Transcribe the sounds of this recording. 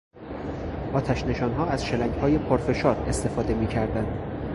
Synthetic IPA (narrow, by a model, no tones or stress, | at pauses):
ʔɒːt̪ʰæʃne̞ʃɒːnɦɒːæz̥ʃelæŋɡhɒːje̞pʰoɾfe̞ʃɒːɾe̞st̪e̞fɒːd̪e̞miːcʰæɾd̪ænd̪̥